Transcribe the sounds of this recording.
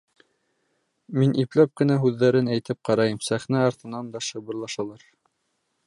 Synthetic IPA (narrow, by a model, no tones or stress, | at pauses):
minʔiplæp̚kɘ̆næɦʉðːæɾɘnæjt̪ɘp̚qɑɾɑjɤmsæχnæɑɾt̪ɤ̆nɑnd̪ɑʃɤ̆βɤ̆ɾlˠɑʃɑlˠɑɾ